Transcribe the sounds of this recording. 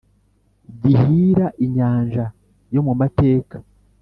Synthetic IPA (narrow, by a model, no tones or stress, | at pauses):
ɟihiːɾaʔiɲaːɲʒa | jo̞mumate̞ːkḁ